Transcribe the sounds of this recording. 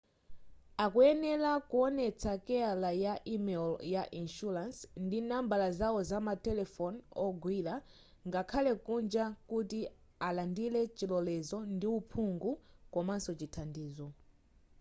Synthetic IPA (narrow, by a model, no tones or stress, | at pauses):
akuɛnɛlakuɔnɛt͡sʰakɛalajaʔimɛljaʔinʃuɾansndinambalazawɔzamatɛlɛfɔnɔɡwila | ŋɡakʰalɛkund͡ʒakuti | alandilɛt͡ʃilɔlɛzɔndiupʰuŋɡukɔmansɔt͡ʃitʰandiːzɔ